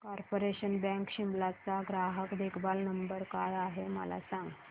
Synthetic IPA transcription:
kɔɾpoɾeɕənbɛ̃ŋkɕimlat͡saɡɾaɦəkd̪ekʰbalnəmbəɾkajaɦemə̰la̰sãŋɡ

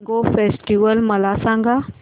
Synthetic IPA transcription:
ɡofeːsʈiʋəlmɐlasãːŋɡa

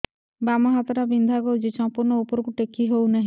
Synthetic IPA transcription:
bamɔɦat̪ɔɾabind̪ʱaɡɔwd͡ʒet͡ʃɔmpuɾnɔupɔɾkuʈekʰiɦownaɦi

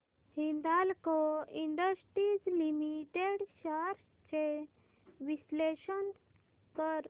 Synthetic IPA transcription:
hind̪alkɔiɳɖəsʈɾid͡zlimiʈeɽɕaɾ | t͡ɕe | ʋisleɕən | kəɾ

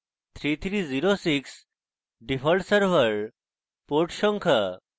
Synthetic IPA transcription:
t̪ʰɾit̪ʰɾiːd͡ziɾosiks | ɖifəɭʈsəɾʋəɾ | poɾʈɕɔŋkʰə

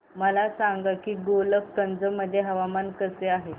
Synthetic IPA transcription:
məlasaŋɡəkiːɡoləkkənd͡zəməd̪ʱːjeɦəʋamankəseaɦe

